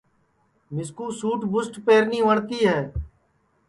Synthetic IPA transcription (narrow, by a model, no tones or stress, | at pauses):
mɪskuːsuːʈbʊsʈpeːɾniːʋəɳt̪iːɦɛː